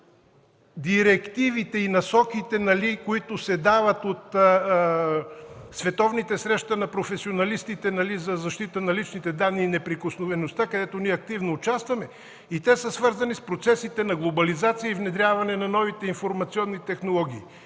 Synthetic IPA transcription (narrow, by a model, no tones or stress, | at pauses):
d̪iɾɛkt̪ivit̪ɛinɐsɔkit̪ɛnɐlikoit̪osɛd̪avɐt̪ot̪ | svɛt̪ɔvnit̪ɛsɾɛʃt̪ɐnɐpɾofɛsionɐlist̪it̪ɛnɐlizɐzɐʃt̪it̪ənɐlit͡ʃnit̪ɛd̪anːiːnɛpɾikosnovɛnost̪akɐd̪ɛt̪oniɛɐk̚t̪ivnoːt͡ʃast̪vɐmɛ | it̪ɛsəsvɤɾzɐnispɾot̪sɛsit̪ɛnɐɡlˠobɐlizat̪sijəivnɛd̪ɾʲavɐnɛnɐnɔvit̪ɛinfoɾmɐt̪siɔnːit̪ɛxnolˠɔɡʲiː